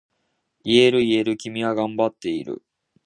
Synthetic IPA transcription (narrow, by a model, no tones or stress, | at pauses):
ie̞ɾɯ̟ie̞ɾɯ̟kʲimʲiβaɡãmbat̪ːe̞iɾɯ̟̰